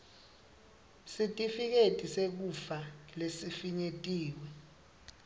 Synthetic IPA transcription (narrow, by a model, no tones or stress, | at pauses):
sitʼifik̬etʼisek̬ufalesifiɲetʼiːwɛ